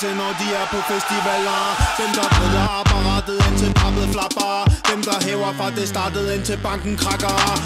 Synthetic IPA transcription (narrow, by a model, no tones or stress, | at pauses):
senɒʊd̥iæɐpʰɔ̽fesd̥iʋɛlɐʋ̥emd̥ɑ̈b̥ʁeðˠɐb̥ɑʁɑd̥əð̩ˠent͡sʰebʰɑ̈b̥ð̩ˠflɑb̥ɐd̥emd̥ɑ̈ɦɛːʊɐfʁɑ̈d̥esd̥ɑ̈ːd̥əð̩ˠent͡sʰelb̥ɑ̈ŋ̰ɡ̥ŋ̩kʰʁɑ̈ɡ̥ɐ